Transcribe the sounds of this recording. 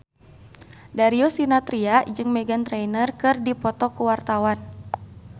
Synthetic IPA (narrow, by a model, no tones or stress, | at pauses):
daɾiɔsinat̪ɾiad͡ʒɨŋmɛɡant̪ɾɛjnərkɨrdipɔt̪ɔkuwart̪awan